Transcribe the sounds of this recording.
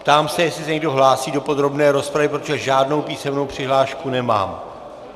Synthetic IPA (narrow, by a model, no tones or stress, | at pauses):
pt̪aːmsɛjɛslɪsɛɲɛɡdo̞ɦlaːsiːdo̞po̞d̪ɾo̞bnɛːɾo̞spɾavɪpɾot̪oʒɛʒaːdno̞wpiːsɛmno̞wpr̝̥ɪɦlaːʃkunɛma̰ːm